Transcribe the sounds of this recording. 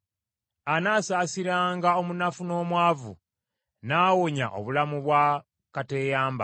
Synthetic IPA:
anaːsaːsiɾaːŋɡao̞munafuno̞ːmwaːvṵ | naːwoɲa̰ʔo̞̰βulamuβwa | kate̞ːjaːmba̰

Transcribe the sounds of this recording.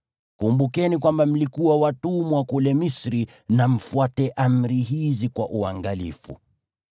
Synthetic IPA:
kumbukɛnikwambam̩likuwawatumwakulɛmisɾi | nam̩fuatɛʔam̩ɾiɦizikwa̰ʔuaŋɡalḭfṵ

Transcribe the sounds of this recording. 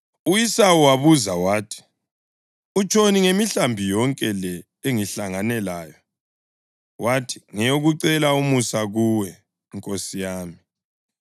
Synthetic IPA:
ujisawuwaβuzawaːtʰi̥ | ut͡ʃʼoniŋemiɬambʱijɔŋkʼɛlɛ | eŋiɬaŋanɛlaːjɔ | watʰi̥ŋɛjoɣuǀɛlaumusaɣuwɛː | ŋkʼosijaːmi

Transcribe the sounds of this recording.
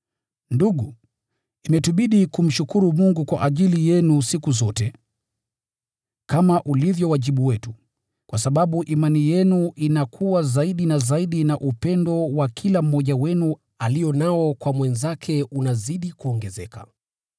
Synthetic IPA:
nduɠu | imɛtuɓiɗikum̩ʃukuɾumuŋɡukwa̰ʔaʄilijɛnusikuzɔtɛ | kamaʔulivjɔwaʄiɓuwɛtu | kwasaɓaɓuʔimanijɛnuʔinakʰuwazaiɗinazaiɗinaʔupɛndɔwakʰilam̩mːɔʄawɛnu | alijɔnaɔkwamwɛnzakʰɛunaziɗikuɔŋɡɛzɛkḁ̰

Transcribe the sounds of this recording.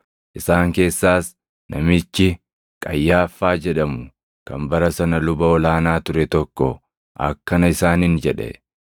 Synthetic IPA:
ʔɪsaːŋke̞ːsːaːs | nʔɐmɪt͡ʃːɪ | kʼɐjːaːfːaːd͡ʒɛᶑɐmʊ | kɐmbɐɾɐsɐnɐlʊbɐɔlaːnaːt̪ʊɾɛt̪ɔkːɔ | ʔɐ̰kːɐnɐɪsaːnɪnd͡ʒɛᶑɛ̰

